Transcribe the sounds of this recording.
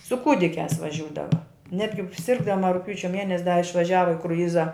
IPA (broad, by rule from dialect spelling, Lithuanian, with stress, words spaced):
sʊ ˈkuːdʲɪkʲæːs ʋɐˈʒʲuːdɐʋɐ ˈnʲæːdʲɡʲɪ ˈsʲɪrɡdɐmɐ rʊkˈpʲjuːt͡ʃʲɛ ˈmʲiɛnʲɛsʲ dɐ ɪʃʋɐˈʒʲæːʋɐ ɪ krʊˈjɪzɐ